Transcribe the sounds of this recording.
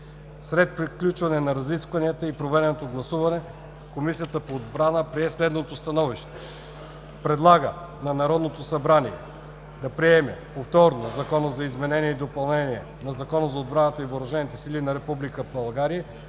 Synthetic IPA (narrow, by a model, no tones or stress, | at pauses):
sɾɛt̪̚pɾiklʲut͡ʃvɐnɛnɐɾɐziskvɐniət̪əipɾovɛd̪ɛnot̪oɡlˠɐsuvɐnɛ | komisijət̪əpoːd̪bɾanəpɾiɛslɛd̪not̪ost̪ɐnɔviʃt̪ɛ̥ | pɾɛd̪lˠaɡə̰ | nɐnɐɾɔd̪not̪osɐbɾaniɛ̰ | d̪ɐpɾiɛmɛpoft̪ɔɾnozɐkɔnəzɐizmɛnɛniɛid̪opɐlˠnɛniɛ | nɐzɐkɔnəzɐod̪̚bɾanət̪əivoɾɐʒɛnit̪ɛsilinɐɾɛpublikəbɐlˠɡaɾiə